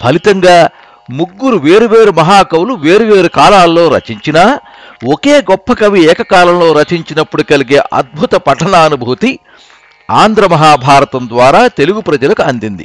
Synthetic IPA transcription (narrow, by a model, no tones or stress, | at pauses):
bʰʱɐlit̪ɐŋɡaː | muɡːuɾuʋeːɾuʋe̞ːɾumɐɦaːkɐwluʋe̞ːɾuʋeːɾukaːlaːlːo̞ːɾɐ̰t͡ʃiɲt͡ʃinaː | oke̞ːɡɔpːɐkɐʋiɛːkɐkaːlɐmlo̞ːɾɐt͡ʃiɲt͡ʃinɐpːuɽukɐliɡeːʔɐ̰d̪̚bʱut̪ɐpɐʈɐɳaːnubʱuːt̪i | aːnd̪ʱɾɐmɐɦaːbʱaːɾɐt̪ɐmd̪ʋaːɾaːt̪e̞luɡupɾɐd͡ʒɐlɐkuɐnd̪ind̪ḭ